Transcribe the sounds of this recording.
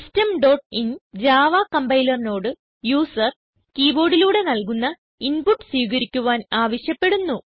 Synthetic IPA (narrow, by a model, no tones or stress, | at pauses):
stɐmɖo̞ːʈ̚ind͡ʑaːʋaːkɐmbɐjlɐrno̞ːɽɨ | juːsɐr | kiːbo̞ːɽiluːɽe̞nɐlkunːɐ | inpuʈːɨ̥swiːɣɐɾikʲːuʋaːnaːʋɐɕjɐpːe̞ɽunːu